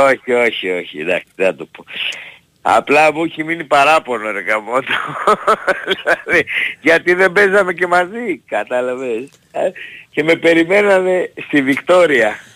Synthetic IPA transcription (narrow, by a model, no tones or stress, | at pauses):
oçio̞çio̞çḭd̪ɐ̰ksenɐt̪opo | ɐ̰plɐmuçiminipɐɾɐpo̞noɾekɐmot̪o̥ | ðilɐðiʝɐt̪iðe̞mbe̞zɐme̞ce̞mɐzikɐt̪ɐlɐves | ce̞me̞pe̞ɾime̞nɐme̞st̪ivikt̪o̞ɾiɐ